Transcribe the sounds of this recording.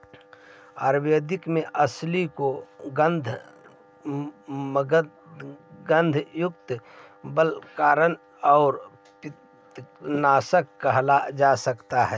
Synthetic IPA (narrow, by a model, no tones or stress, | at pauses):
aːɾbed̪ɪkmẽʔɐslikoɡənd̪ʱ | m | ɡə̃nd̪ʱjʊk̚t̪bəlkaːɾən | ɔːɾ | pɪ | naːsəkːəɦlad͡ʒasəkt̪aɦɛː